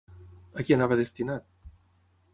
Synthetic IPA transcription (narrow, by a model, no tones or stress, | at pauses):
akianaβəðest̪inat̪̚